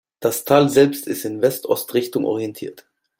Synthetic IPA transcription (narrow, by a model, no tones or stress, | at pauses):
d̥astʰaːlzɛlpstɪstɪnvɛstʔɔstʁɪçtʊŋʔɔ̰ʁiɛntʰḭːɐt